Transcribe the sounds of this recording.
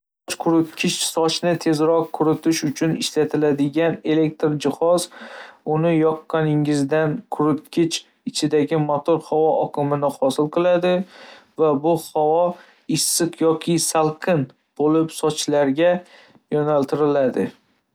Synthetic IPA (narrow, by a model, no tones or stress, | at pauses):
sɒt͡ʃkʰʊɾʊt̪kʲʰɪt͡ʃsɒt͡ʃnɪt̪ʰe̞zɾɒqkʰːʊɾʊt̪ʰɪʃʊt͡ʃʰʊnɪʃlat̪ʰɪlad̪ɪɡʲane̞le̞k̚ʲt̪ɾd͡ʒɪχɒzʊnɪjɒqːɑnɪŋɪzd̪ankʰʊɾʊt̪kʲʰɪt͡ʃ | ɪt͡ʃʰɪd̪aɡʲɪmɒt̪ʰoɾhavɒʔɒqʰɨmɪnɪχɒsɪlˠqʰɨlˠad̪ɪvabʊhawɒ | ɪsːɨqʰjɒkʲʰɪsalˠqʰɨn | b̥olɪpsɒt͡ʃlaɾɡʲa | jɒnalt̪ʰɪɾɪlad̪ɪ